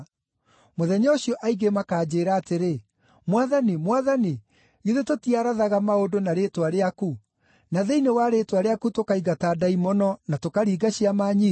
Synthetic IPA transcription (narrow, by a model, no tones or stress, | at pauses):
moðɛɲɔɕiɔʔaiɡemakaːd͡ʑeɾaːteɾe | mwaðanimwaðani | iðetotiaɾaðaɣamaodonaɾetwaɾeaku | naðeinewaɾetwaɾeakutokaiɡataːdaimɔnɔnatokaɾiːɡaɕiamaɲi